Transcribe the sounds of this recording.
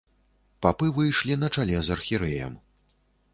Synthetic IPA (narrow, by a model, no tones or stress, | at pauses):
papɨvɨjʂlʲinɐt͡ʂalʲɛzɐrxʲiɾɛjɐ̰m